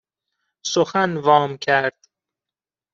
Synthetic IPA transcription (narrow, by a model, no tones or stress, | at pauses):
soxænvɒːmkʰæɾd̪̥